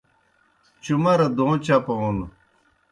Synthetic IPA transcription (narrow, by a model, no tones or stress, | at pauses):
t͡ɕumɐɾɐd̪õːt͡ɕapɐnu